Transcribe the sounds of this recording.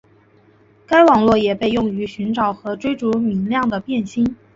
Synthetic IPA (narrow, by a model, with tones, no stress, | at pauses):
ka˥ɪwɑ˨˩ŋlwɔ˥˩jɛ˨˩pe˥˧ɪjʊ˥˩ŋy˧˥ɕy˧˥nʈ͡ʂɑ˨˩ʊxɤ˧˥ʈ͡ʂwe˥ɪʈ͡ʂu˧˥mi˧˥ŋljɑ˥˩ŋd̪ə˩pjɛ˥˩nɕi˥n